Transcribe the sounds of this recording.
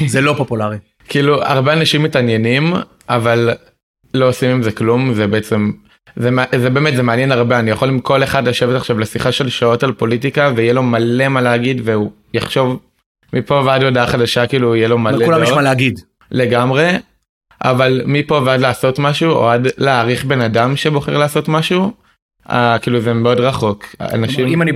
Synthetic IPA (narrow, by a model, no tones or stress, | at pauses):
zelopopulaʁi | kiiːlua̰ʁbeanaʃimːitanje̞nim | ʔavalː | o̞osimimzeklumzebeet͡se̞m | zemzebeːmetzemeanjenaʁbeanijaχo̞limko̞le̞χadlaʃe̞vetaχʃavlesiχaʃe̞lʃao̞talpo̞lit̬ikaveijelo̞male̞maleaɡidveu | jaχʃo̞v | mipo̞veadodaχadaʃakiːluijelo̞maleulamjɛʃmaleaɡid | le̞ɡamʁe̞ | ʔa̰valmipo̞veadlaːso̞tmaʃuo̰adleːʁiχbe̞nadamʃe̞bo̞χeʁlaːso̞tmaʃu | a̰kiːluzemeo̞dʁaχo̞ka̰naʃimimani